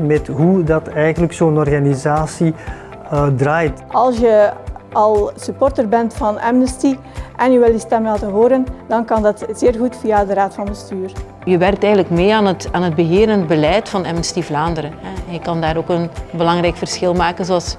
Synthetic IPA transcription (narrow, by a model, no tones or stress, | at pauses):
mɛtɦudɑtɛjɣənləksoːnɔrɣanizaːsi | draːjtɑlˠsjəɑlˠsypɔrtərbɛntfɑnɛ̰mnəsti | ʔɛnjəʋɪlistɛmlaːtəɦoːɾəndɑnkɑndɑtz̥eːrɣutfijadəɾaːtfɑnbəstyːr | jəʋɛrk̚tɛjɣənləkmeːaːnətaːnəd̚bəɦeːɾəndbəlɛjtfɑnɛmnəstivlaːndəɾənɦɛɛnjəkɑndaːɾoːkənbəlɑŋrɛjkfərsxɪlˠmaːkənzoɑlˠs